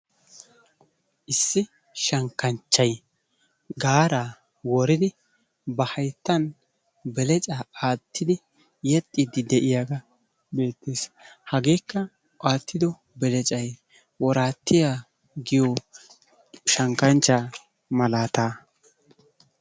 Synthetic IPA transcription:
ʔɪsːɪ | ʃɐŋkːɐnt͡ʃːɐj | ɡaːɾaː | wɔɾɪd̪ɪ | bɐhɐjt̪ːɐn | bɛlɛt͡ʃʼaaːt̪ʰːɪd̪ɪ | jɛt̪ʼːɪd̪ɪd̪ɛʔɪjaːɡɐ | be̞ːt̪ːeshɐɡe̞ːkːɐ | ʔaːt̪ʰːɪd̪ɔ | bɛlɛt͡ʃʼɐj | wɔɾaːt̪ːɪja | ɡɪjo | ʃɐŋkɐnt͡ʃːaː | mɐlaːt̪aː

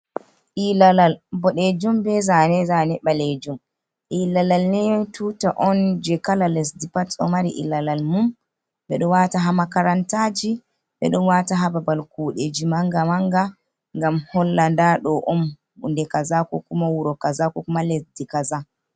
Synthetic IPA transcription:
ʔilalalbɔɗed͡ʒumbɛzanɛzanɛɓaled͡ʒum | ʔilalalnɛjɔntutaʔɔnd͡ʒɛkalalɛsdipatɔmaɾḭʔḭlalalmum | ɓɛɗɔwataɦamakaɾantad͡ʒi | ɓɛ̰ɗɔnwataɦababalkuɗed͡ʒimaŋɡamaŋɡa | ŋɡamhɔlːandaɗɔʔɔn | undɛkazakɔkumawuɾɔkazakɔkumalɛsdikaza

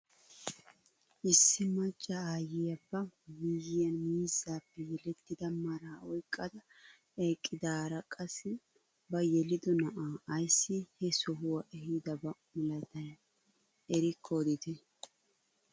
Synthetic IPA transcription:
ʔɪsːɪmɐt͡ʃʼːɐaːjɪjɐbːɐwijɪjɐnmiːzːaːpːɛjɛlɛt̪ːɪd̪ɐmɐɾaːɔjkʼːɐd̪ɐ | eːkʼːɪd̪aːɾɐkʼɐsːɪ | bɐjɛlɪd̪ɔnɐʔaːʔɐjsːɪhɛsɔɦʊwɐʔɛhid̪ɐbɐmɔlɐjt̪ɐjɐ | ɛɾɪkʰːod̪ɪt̪ɛ

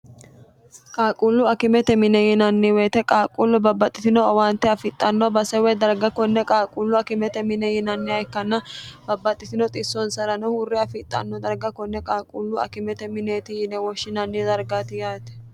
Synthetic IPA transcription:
kʼaːkʼulːʊɐkɪmɛt̪ɛmɪnɛjɪnɐnːɪweːt̪ɛkʼaːkʼulːʊbɐbːɐt̪ʼːɪt̪ɪnɔɐwaːnt̪ːɛɐfɪt̪ʼːɐnːɔbɐsɛwɛd̪ɐɾɡɐkɔnːɛkʼaːkʼulːʊɐkɪmɛt̪ɛmɪnɛjɪnɐnːɪɐjkːɐnːɐbɐbːɐt̪ʼːɪt̪ɪnɔt̪ʼɪsːɔnsɐɾɐnɔhʊrːɪɐfɪt̪ʼːɐ̰nːɔd̪ɐɾɡɐkɔnːɛkʼaːkʼulːʊɐ̰kɪmɛt̪ɛmɪneːt̪ɪjɪnɛwɔʃːɪnɐnːɪd̪ɐɾɡaːt̪ɪjaːt̪ɛ̥

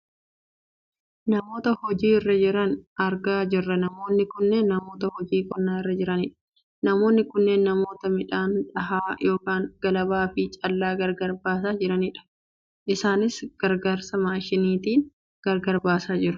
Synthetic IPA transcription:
nɐmo̞ːt̪ɐhɔd͡ʒiːrːɐd͡ʒɪɾɐnɐɾɡaːd͡ʒɪrːɐnɐmo̞ːnːɪkʊnːeːnːɐmo̞ːt̪ɐhɔd͡ʒiːkʼɔnːaːɪrːɐd͡ʒɪɾɐnɪᶑɐ̥ | nɐmo̞ːnːɪkʊnːeːnːɐmo̞ːt̪ɐmɪᶑaːnᶑɐɦaːjo̞ːkaːŋɡ̥ɐlɐbaːfɪt͡ʃʼɐlːaːɡɐɾɡɐɾbaːs̬aːd͡ʒɪɾɐnɪᶑɐ̥ | ʔɪsaːnɪsɡ̥ɐɾɡaːɾsɐmaːʃɪniːt̪iːn | ɡ̥ɐɾɡɐɾbaːsaːd͡ʒɪɾʊ̥

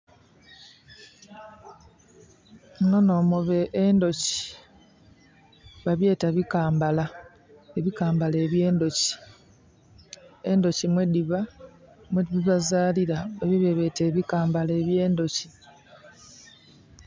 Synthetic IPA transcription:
ŋono̞ːmoβeʔndo̞ci̥ | βaβje̞ːtaβikaːmbala | eβikaːmbale̞ːβje̞ːndo̞ci̥ | endo̞cimwediβamweβiβazaːliɾaβeβiβe̞βe̞te̞ːβikaːmbale̞ːβje̞ːndo̞ci

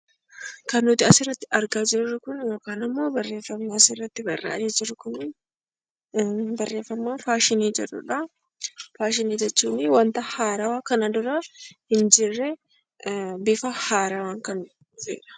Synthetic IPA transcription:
kɐnːʊt̪ɪɐsɪrːɐt̪ːɪɐɾɡaːd͡ʒɪrːʊkʊnjo̞ːkaːnɪmːo̞ːbɐrːe̞ːfːɐmːaːɐsɪrːɐt̪ːɪbɐrːa̰ːdeːd͡ʒɪɾːʊkʊnː | bɐrːe̞ːfɐmːaːfaːʃɪniːd͡ʒɛrːʊ̰ᶑɐ | faːʃ̬ɪniːd͡ʒɛt͡ʃːuːnɪwɐnt̪ɐhaːɾawaːkɐnɐd̪ʊɾɐhɪnd͡ʒɪrːɛ | bɪfɐhaːɾawaːŋkɐn | fḛːɾɐ̥

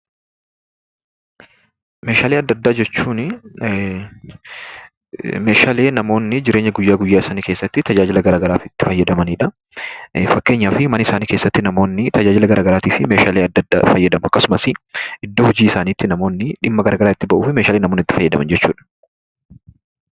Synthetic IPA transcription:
meːʃaːleːɐd̪ːɐd̪ːaːd͡ʒɛt͡ʃːuːnɪ | me̞ːʃaːle̞ːnɐmo̞ːnːɪd͡ʒɪɾe̞ːɲːɐɡʊjːaːɡʊjːaːɪsaːniːke̞ːsːɐt̪ːɪt̪ɐd͡ʒaːd͡ʒɪlɐɡɐɾaːɡɐɾaːfɪt̪ːɪfɐjːɐd̪ɐmɐniːᶑɐ | fɐkːe̞ːɲːaːfɪmɐnɐɪsaːniːke̞ːsːɐt̪ːɪnɐmo̞ːnːɪt̪ɐd͡ʒaːd͡ʒɪlɐɡɐɾʔaːɡɐɾaːt̪iːfɪme̞ːʃaːleːɐd̪ːɐd̪ːa̰ːfɐjːɐd̪ɐmʊɐkːɐsʊmɐsɪɪd̪ːoːhʊd͡ʒiːɪsaːniːt̪ːɪnɐmo̞ːnːɪᶑɪmːɐɡɐɾaːɡɐɾaːɪt̪ːɪbɐʔuːfɪmeːʃaːlenɐmoːnɪt̪ːɪ̥fɐjːɐd̪ɐ̰mɐ̰nd͡ʒɛt͡ʃːuːᶑɐ̥

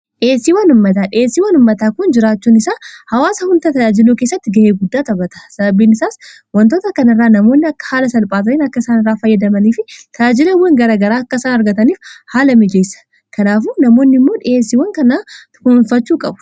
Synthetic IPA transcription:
ᶑɪeːsːiːwɐnʊmːɐt̪aːᶑɪeːsːiːwɐnʊmːɐt̪aːkʊnd͡ʒɪɾaːt͡ʃːuːnɪsaːhɐwaːsɐhʊnd̪ɐt̪ɐjaːd͡ʒɪluːkeːsːɐt̪ːɪɡɐʔeːɡʊd̪ːaːt̪ɐbɐt̪ɐsɐbɐbiːnɪsaːs | wɐnt̪o̞ːt̪ɐkɐnɪrːaːnɐmo̞ːnːɪɐkːɐ̥haːlɐsɐlpʼaːt̪ɐniːnɐkːɐɪsaːnɪrːaːfɐjːɐd̪ɐmɐniːfɪt̪ʰɐd͡ʒaːd͡ʒɪlɐwɐŋɡɐɾaːɡɐɾaːɐkːɐsaːnɐɾɡɐt̪ɐniːfhaːlɐmɪd͡ʒeːsɐ̥ | kʰɐnaːfuːnɐmo̞ːnːɪmːo̞ːᶑɪeːsːiːwɐŋkɐnaː | ʊnʊnfɐt͡ʃːuːkʼɐbʊ̥

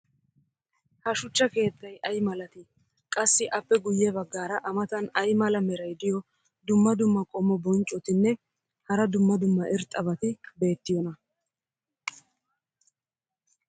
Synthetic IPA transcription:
hɐʃʊt͡ʃːɐke̞ːt̪ːɐjʔɐjmɐlɐt̪ɪ | kʼɐsːɪʔɐpːɛɡʊjːɛbɐɡːaːɾɐʔɐmɐt̪ɐnɐjmɐlɐmɛɾɐjd̪ɪjɔ | d̪ʊmːɐd̪ʊmːɐkʼɔmːɔbɔnt͡ʃʼɔt̪ɪnːɛ | hɐɾɐd̪ʊmːɐd̪ʊmːɐʔɪɾt̪ʼːɐβɐt̪ɪbe̞ːt̪ːɪjɔnɐ

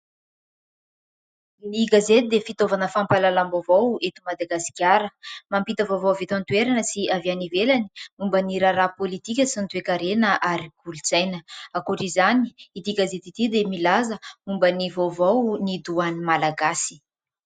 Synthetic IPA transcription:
niɡazet̪id̪efit̪ovanəfampalalambovowet̪umad̪aɡasi̥kʲjaɾəmampit̪əvovowavet̪ant̪ueɾanəsiavianivelani̥umbəniɾaɾapolit̪ikʲəsint̪uekaɾenəʔaɾiɡulut͡sajnəakuʈ͡ʂizaniit̪iɡazet̪it̪id̪emilazəumbənivowvownid̪uanimalaɡasi̥

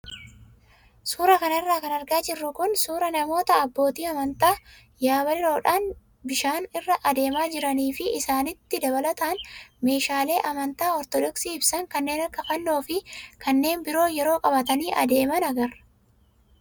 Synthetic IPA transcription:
suːɾɐkɐnɐɪrːaːkɐnɐɾɡaːd͡ʒɪrːʊkʊnsuːɾɐnɐmo̞ːt̪ɐːbːo̞ːt̪iːɐmɐnt̪aː | jaːβɐlɪɾo̞ːᶑaːn | bɪʃaːnɪrːɐʔɐd̪e̞ːmaːd͡ʒɪɾɐniːfɪʔɪsaːnɪt̪ːɪd̪ɐβɐlɐt̪aːnme̞ːʃaːle̞ːʔɐmɐnt̪aːɔɾt̪ɔd̪ɔksiːɪbsɐŋkɐnːe̞ːnɐkːɐkɐnːo̞ːfɪkɐnːe̞ːnbɪɾo̞ːjɛɾo̞ːkʼɐbɐt̪ɐniːʔɐ̰d̪e̞ːmɐnɐɡɐrɐ

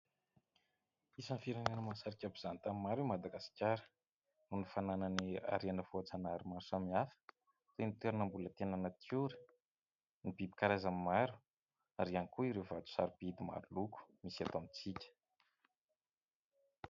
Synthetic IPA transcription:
isanfiɾananəmasaɾikʲabiz̥anit̪amimaɾumad̪aɡasi̥kʲaɾə̥ | nunifananania̰ɾianəvuat͡sanaɾimasamiafə̥ | t̪enit̪eɾunəmbulət̪enanət̪ʰuɾi̥ | nibibi̥kaɾazamimaɾu̥ | aɾiankuiɾewvat̪u̥saɾub̥id̪ima̰ɾuluku̥misiat̪oamit͡sikʲə̥

